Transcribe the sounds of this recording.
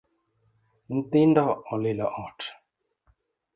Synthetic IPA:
n̩tindɔɔlilɔʔɔ̃t

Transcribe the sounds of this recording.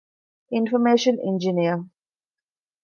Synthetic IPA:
ɪ̃nfɔmeːʃə̃nɛ̰̃nd͡ʒɪniə

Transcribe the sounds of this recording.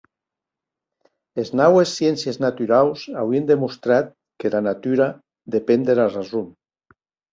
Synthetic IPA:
eznawesːjensjeznat̪yɾawsa̰wiend̪emust̪ɾat̪̚ | kelanat̪yɾa | d̪epend̪elarazum

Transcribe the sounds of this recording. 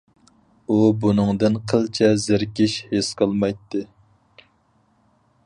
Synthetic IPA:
ubunɨŋd̪ɨnqʰəlˠt͡ʃʰɛzɪɾkʲiʃhesqʰəlˠmɑjt̪ːɨ

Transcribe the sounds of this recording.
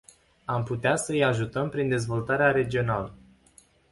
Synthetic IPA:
amput̪easəɨjaʒut̪əmpɾind̪e̞zvo̞lt̪aɾeaɾe̞d͡ʒio̞nalə

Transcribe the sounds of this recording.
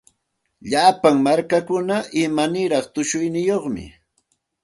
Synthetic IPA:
ʎapaŋmaɾkakʊnaʔɪmanɪɾɑχt̪ʊʃʊjnɪjoχmɪ̰

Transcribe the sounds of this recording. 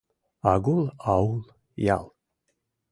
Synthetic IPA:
aɡulˠaulˠ | ja̰lˠ

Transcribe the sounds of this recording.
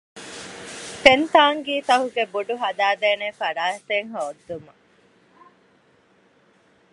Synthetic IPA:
t̪ent̪aːŋɡiːt̪ɐɦuɡebuɖuɦɐd̪aːd̪eːnefɐɾaːɦet̪eŋɦɐod̪ːumɐ

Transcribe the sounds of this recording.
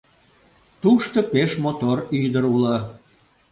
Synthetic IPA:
t̪uʃt̪opeʃmot̪oryjd̪əɾulɑ

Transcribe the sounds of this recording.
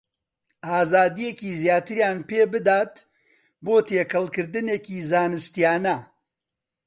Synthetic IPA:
ʔaːzaːd̪ijekiːzjaːt̪ɨɾjaːnpeːbɨd̪aːt̪ | boːt̪eːkʰɐlˠkɨɾd̪ɨneːkiːzaːnɨst̪ijaːnɐ

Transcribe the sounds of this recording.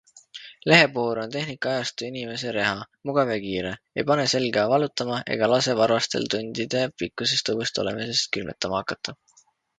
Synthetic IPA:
le̞ɦe̞poːɾo̞nt̪e̞hnikːˑɑɑjɑst̪uinime̞se̞ɾe̞ɦɑ | muɡ̥ɑvekiːɾe̞ | ejpɑne̞se̞lɡ̥ɑvɑlut̪ːˑɑmɑʔe̞̰ɡ̥ɑlɑse̞vɑrvɑst̪e̞̰lt̪unʲd̪̥id̪̥e̞pikːˑuse̞st̪ɤvust̪o̞le̞̰mise̞st̪̚kylmḛt̪ːˑɑmɑɑkːˑɑt̪ːˑɑ

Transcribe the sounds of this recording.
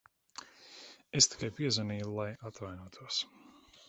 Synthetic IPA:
est̪i̥kajpiɛzaniːjulˠajat̪vajnuɔt̪ʰuɔs

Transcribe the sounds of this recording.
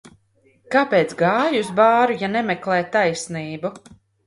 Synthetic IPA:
kapeːt̪sɡaːjusbaːɾujanɛmɛklˠɛːjt̪ajsniːbu

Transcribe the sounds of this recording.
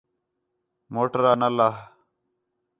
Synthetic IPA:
moːʈəɾaːnəlaːɦ

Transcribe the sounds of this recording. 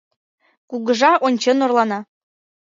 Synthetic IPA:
kuɣəʒɑʔonʲt͡ɕenorlˠɑnɑ

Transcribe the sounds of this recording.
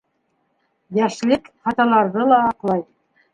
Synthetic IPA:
jæʃlɘkχɑt̪ɑlˠɑɾðɤlˠɑːqlˠɑj

